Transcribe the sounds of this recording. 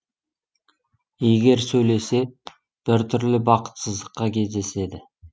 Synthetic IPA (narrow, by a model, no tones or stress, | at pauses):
e̞ɡʲe̞ɾsɵjle̞se̞ | b̥ɪɾt̪ʰʏɾlɪbɑqə̥t̪səzd̪əqːɑkʲʰe̞zd̪e̞se̞d̪ɪ